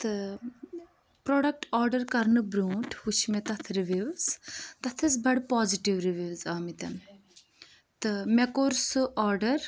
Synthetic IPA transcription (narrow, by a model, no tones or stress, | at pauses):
t̪ɨ | pɾoːɖɐk̚ʈɔːɾɖɐɾkɐɾnɨbɾũːʈʰut͡ʃʰmet̪ɐt̪ʰɾiʋiʋz̥t̪ɐt̪ʰɨsbɐɽpaːziʈiʋɾiʋiʋzaːmit̪ɐn | t̪ɨmɛkoɾsɨʔɔːɾɖɐɾ